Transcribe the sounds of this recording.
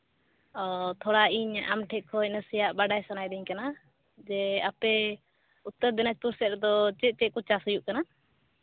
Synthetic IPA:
ɔt̪ʰɔɽaiɲa̰mʈʰɛʔ̚kʰɔnəsijaʔbaɖajsanajd̪ɛɲkana | d͡ʒɛapɛ | ut̪ːəɾd̪inat͡ʃpuɾsɛt̪̚d̪ɔt͡ʃɛt̪̚ˀt͡ʃɛʔ̚kut͡ʃasəjuʔkana

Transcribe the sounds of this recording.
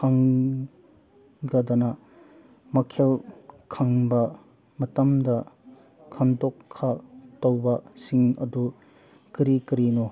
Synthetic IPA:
haŋ | ɡɐdɐnɐ | mɐkʰelkʰɐŋbɐ | mɐtɐmdɐ | kʰandokʰːatowbɐsiŋɐ̰du | kiɾikiɾino

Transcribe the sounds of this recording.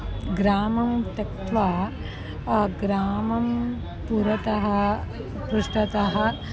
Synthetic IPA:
ɡɾaːmɐmt̪ɐkt̪ʋɐ | ɡɾaːmɐm | puɾɐt̪ɐɦɐ | pɾuʂʈɐt̪ɐɦɐ

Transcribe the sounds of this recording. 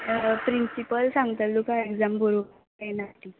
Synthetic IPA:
pɾinsipəlsãŋɡt̪alukaekd͡zambʱoɾo | enat̪i

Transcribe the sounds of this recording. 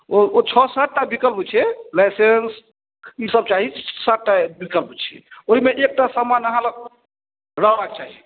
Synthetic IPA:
oot͡ʃʰɔsaʈ̚ʈabikəlpt͡ʃʰɛlajsens | isəb̚t͡ʃaɦisaʈːabikəlpt͡ʃʰɛ̰oɦimeʔek̚ʈasəmanəɦãlə | ɾəɦbak̚t͡ʃaɦi

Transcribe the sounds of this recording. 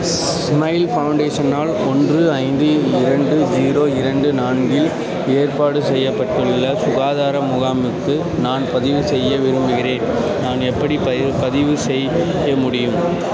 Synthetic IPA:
smɐɪlfɐʊɳɖeːʂɐnaːlɔndrɯɐɪnd̪ɯɪɾɐɳɖɯd͡ʒiːɾoːɪɾɐɳɖɯnaːɳɡɪl | eːrpaːɽɯsɛjːɐpːɐʈːɯɭːɐsʊɣaːðaːɾɐmʊɣaːmɯkːɯ | naːnpɐðɪʋɯsɛjːɐʋɪɾɯmbɯɣɪɾeːn | naːnɛpːɐɽipɐ | pɐðɪʋɯsɛj | ɐmʊɽɪjɯm

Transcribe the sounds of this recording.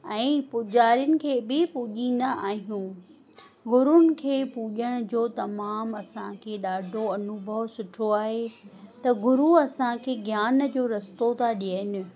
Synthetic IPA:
ɛ̃ːpʊd͡ʑaːɾiənɪ̆kʰeːbɪpʊʄĩːn̆d̪aʔaːɦijũː | ɡʊɾʊnɪ̆kʰeːpuʄəɽ̃ʊ̆d͡ʑoːt̪ɐmaːmɐsãkʰeːɗaːɖʱoɐnʊbʱəʋsʊʈʰoaːɦet̪ɐɡʊɾuɐsãkʰeːɡjaːnd͡ʑoːɾɐst̪ot̪ʰaɗiəɪnɪ̆

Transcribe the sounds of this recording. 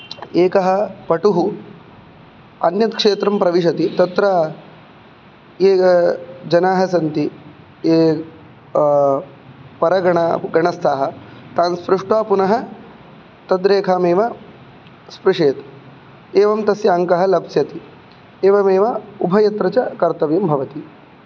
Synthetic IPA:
eːkɐɦɐ̆pɐʈuɦu | ɐnjɐt̪kʂeːt̪ɾɐmpɾɐʋiʂ̬ɐt̪it̪ɐt̪ɾɐ | eː | d͡ʒɐnaːɦɐsɐnt̪i | eː | pɐɾɐɡɐɳaɡɐɳɐst̪ʰaːɦɐ̆t̪aːnspɾuʂʈʋaːpunɐɦɐ̆ | t̪ɐd̪ɾeːkʰaːmeːʋɐ | spɾuʂeːt̪ | eːʋɐmt̪ɐsjɐŋkɐɦɐlɐbsjɐt̪i | eːʋɐmeːʋɐubʱɐjɐt̪ɾɐt͡ʃɐkɐɾt̪ɐʋjɐmbʱɐʋɐt̪i

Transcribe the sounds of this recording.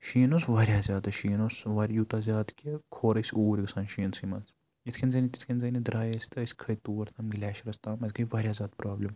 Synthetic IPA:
ʃiːnosʋaːɾʲjaːzʲjaːd̪ɐʃiːnosʋɐːɾʲjuːt̪aːzʲjaːd̪kʲekʰoːɾɐsʲuːɾʲɡɐsaːnʃiːnsimɐns | jit̪ʰkʰʲinzɐnit̪it̪ʰkʰʲinzɐnid̪ɾaːjɐsʲt̪ɐsʲkʰɐjt̪uːɐɾt̪ʰɐmɡlʲɛːʃɾɐst̪aːmɐzʲɡɐjʲʋaːɾʲjaːzʲaːd̪pɾaːblʲɐm

